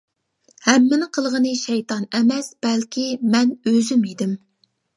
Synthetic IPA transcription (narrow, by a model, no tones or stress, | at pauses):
hɛmːɪnɪqʰəlˠʁənɨʃɛjt̪ɑnɛmɛsb̥ɛlkʲimɛnøzymid̪ɪm